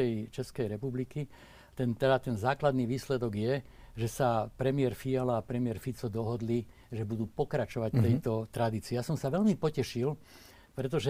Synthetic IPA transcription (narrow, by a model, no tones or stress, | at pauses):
ɛjt͡ʃɛskɛjɾɛpubliki | t̪ɛnt̪ɛd̪at̪ɛnzaːklad̪niːʋiːslɛd̪ɔɡjɛ | ʒɛsapɾɛmɪɛɾfialaːpɾɛmɪɛɾfit͡sɔd̪ɔɦɔd̪li | ʒɛbud̪uːpɔkɾat͡ʃɔʋact̪ɛjt̪ɔt̪ɾad̪iːt͡siːjasɔmsaʋɛʎmipɔcɛʃil | pɾɛt̪ɔʒɛ